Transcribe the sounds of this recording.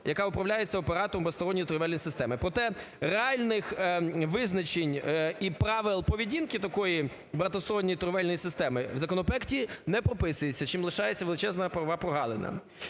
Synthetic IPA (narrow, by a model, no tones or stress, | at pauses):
jɐkɑʊpɾɐwlʲajet͡sʲːɐɔpeɾɑt̪ɔɾɔmbest̪ɔɾɔnʲːit̪ʊɾʊʋɛlʲnʲjsɪst̪ɛmɪpɾɔt̪ɛ | reɑlʲnɪxʋɪznɐt͡ʃenʲipɾɑʋɪlˠpɔʋʲidʲinkɪt̪ɐkɔji | bɐt̪ɔsɔɾɔnʲːijit̪ɾʊʋɛlʲnɔjisɪst̪ɛmɪwzɐkɔnɔpɛktʲinɛpɾɔpɪsʊjet͡sʲːɐt͡ʃimlˠɪʃɑjet͡sʲːɐʋelˠɪt͡ʃɛznɐpɾɐʋɑpɾɔɦɑlˠenɐ̰